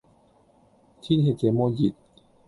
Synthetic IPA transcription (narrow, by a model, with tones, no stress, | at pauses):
t̪ʰi˥˩nɦe˨˩t̪̚kʰeː˨˦moː˧ji˨˩t̪̚